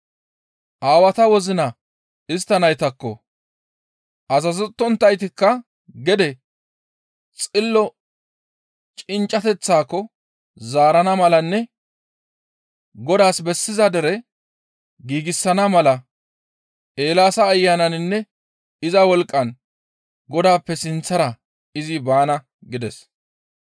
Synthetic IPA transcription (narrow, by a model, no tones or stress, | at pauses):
ʔaːwɐt̪ɐwɔzɪnɐ | ɪs̬t̪ːɐnɐjt̪ɐkːɔ̰ | ʔɐzɐzɛt̪ːɔnt̪ːɐjt̪ɪkːɐ | ɡɛd̪ɛ | t͡sʼɪlːɔ | t͡ʃʼɪnt͡ʃʼːɐt̪ɛt͡sːaːkːɔ | zaːɾɐnɐmɐlɐnːɛ | ɡɔd̪aːsbɛsːɪzɐd̪ɛɾɛ | ɡiːɡɪsːɐnɐmɐlɐ | ʔe̞ːlaːsɐːjːanɐnɪnːɛ | ɪzɐwɔlkʼːɐn | ɡɔd̪aːpːɛsɪnt͡sːɐɾɐ | ɪzɪbaːnɐ | ɡɪd̪ɛs